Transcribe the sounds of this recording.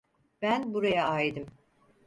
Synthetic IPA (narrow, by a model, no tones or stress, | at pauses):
b̥ænbuɾajaajd̪ɯm